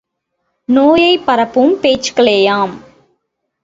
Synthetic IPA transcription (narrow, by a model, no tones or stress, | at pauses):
noːjɐɪpːɐɾɐpːɯmpeːt͡ʃkɐɭeːjaːm